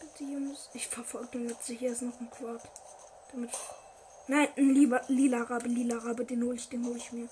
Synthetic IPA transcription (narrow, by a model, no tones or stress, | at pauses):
əd̥iʊnsʔɪçfɛɐfɔlɡ̚denjɛtt͡sɪçɐɪstnɔχn̩kʰv̥aɐt | d̥amɪtɪ | naɪnnliːbɐliːlaʁaːbəliːlaʁabədeːnhoːlɪçd̥eːnɦoːlɪçmiːɐ